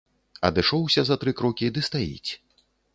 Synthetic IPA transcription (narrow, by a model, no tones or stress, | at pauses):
ɐ̰d̪ɨʂɔwsʲɐzɐt̪ɾɨkɾɔkʲid̪ɨst̪ajḭt͡sʲ